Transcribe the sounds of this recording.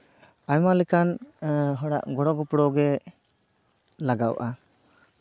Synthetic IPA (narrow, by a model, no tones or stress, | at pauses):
ajmalɛkanɦɔɽaʔɡɔɽɔɡɔpɽɔɡɛ | laɡa̰wʔa